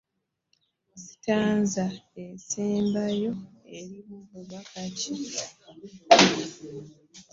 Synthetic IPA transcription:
zi̥taːnzaeseːmbajo̞eɾiβuβuβakaci

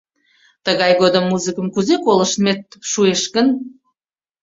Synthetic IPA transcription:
t̪əɣɑjɣod̪əmːuzɨkə̆mkuzekolə̆ʃmet̪̚ʃueʃkən

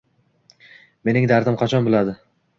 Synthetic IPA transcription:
me̞nɪŋd̪aɾd̪ɪmqʰɑt͡ʃʰɒnbɪlad̪ɪ

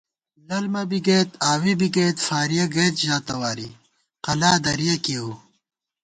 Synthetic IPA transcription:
lɐlmɐbiɡeːt̪aːwibiɡeːt̪faːɾijɐɡɐjt̪ʑaːt̪ɐwaːɾḭ | qɐlaːd̪ɐɾijɐkiu

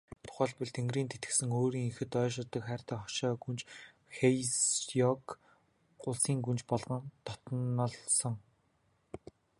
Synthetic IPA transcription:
t̪ʰʊ̥χæːɮpʊ̆ɮt̪ʰeŋɡriːnt̪ʰet̪ɘ̥̆sɘ̆ŋoːɾiːŋixɘ̆t̪œːʃɪ̆rt̪ə̆kχæːr̥ʲt̪æːχɔ̥ʃɔːɡunt͡ɕ | xejsjɔkː | ʊɮsiːŋɡunt͡ɕpɔɮʁɞ̆nt̪ʰɔ̥t̪nɔ̆ɮsɞ̆ŋ

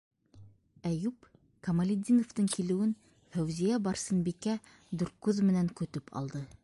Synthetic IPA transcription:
æjʉp | kɐmɐlʲɪd̪ʲinŏft̪ɤŋkilɘ̆wɘn | fæwzijæbɑɾsɤ̆nbikæ | d̪ʉɾ̚kʉðmɘ̆næŋkɵ̆t̪ɵpʰɑ̰lˠd̪ɤ

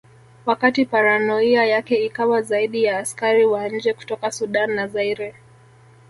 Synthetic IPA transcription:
wakatipaɾanɔiajakɛikawazaiɗijaːskaɾiwaɲ̩d͡ʒɛku̥tɔkasuɗanːazaiɾɛ

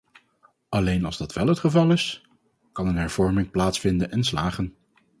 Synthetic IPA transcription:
ʔɑlejnɑlˠzdɑtʋɛlˠɦətχəvɑlˠɪs | kɑnənɦɛɹv̥ɔɹmɪŋplaːtsfɪndənɛnslaːχən

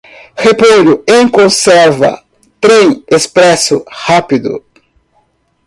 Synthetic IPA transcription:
hepoʎʊẽkõsɛɾvɐ̰ | t̪ɾẽj̃espɾɛsʊhapid̪ʊ̰

